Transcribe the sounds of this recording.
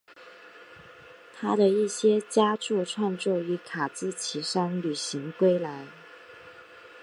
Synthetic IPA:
t̪ʰa˥d̪ə˨i˥˩ɕjɛ˥t͡ɕja˥ʈ͡ʂu˥˧ʈ͡ʂʰwa˥˧nt͡swɔ˥˩y˧˥kʰa˨˩t͡sɹ̩˥t͡ɕʰi˧˥ʂa˥nly˨˩ɕi˧˥ŋkwe˥ɪla˧˥ɪ

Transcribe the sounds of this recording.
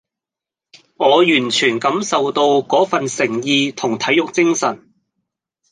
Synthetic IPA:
ŋɔː˨˧jyː˨˩nt͡ʃʰyː˨˩nkɐ˨˥msɐ˨wt̪o˧wkɔː˨˥fɐ˨nsɪ˨˩ŋjiː˧t̪ʰʊ˨˩ŋt̪ʰɐ˨˥jʊ˨k̚t͡sɪ˥ŋsɐ˨˩n

